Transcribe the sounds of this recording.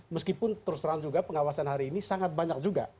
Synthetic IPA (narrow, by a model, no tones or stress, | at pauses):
məskipʊnt̪əɾʊst̪ɾaŋd͡ʒuɡapəŋawasanɦaɾiːnisaŋat̪̚baɲak̚d͡ʒuɡa̰